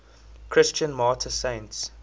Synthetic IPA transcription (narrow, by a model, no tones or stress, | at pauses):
kʰɹɪst͡ʃə̃nmɑːtʰəsẽɪ̃nts